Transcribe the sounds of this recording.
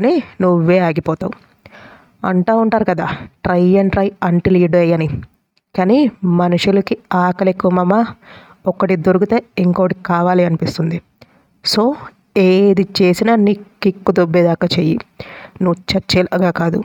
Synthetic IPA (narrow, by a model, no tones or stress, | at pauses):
ɐninuʋʋːeːaːɡipɔːt̪a̰wu | ɐ̰ɳʈaːuɳʈaːɾukɐd̪aːʈɾɐjɐɳʈɾɐjɐɳʈiliːɖɐjɐni | kaːnimɐnuʂulɐkiaːkɐlekːuʋɐmɐmːa | ɔkːɐʈid̪oɾukut̪eːiŋkoːkːɐʈikaːʋaːliɐnipist̪und̪i | so̞ː | eːd̪it͡ʃe̞ːsinɐniːkːikːud̪obːeːd̪aːkat͡ʃeːjḭnuʋt͡ʃɐt͡ʃelɐɡaːkaːd̪ṵ